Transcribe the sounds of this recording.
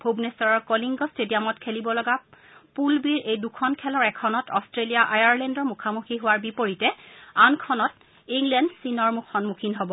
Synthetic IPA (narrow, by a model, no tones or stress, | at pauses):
bʱobnesɔɹɔɹkoliŋɡɔstediamɔtkʰelibɔlɔɡa | pulbiɹejdukʰɔnkʰɛlɔɹɛkʰɔnɔtɔstɹelijaʔajaɹlɛndɔɹmukʰamuxʰiɦʊwaɹbipoɹitɛankʰɔnɔt | iŋlɛndsinɔɹmukʰɔnmukʰinɦɔbɔ